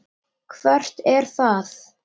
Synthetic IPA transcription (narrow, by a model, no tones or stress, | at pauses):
kʰvɛr̥t̪ɛɾ̥θaθ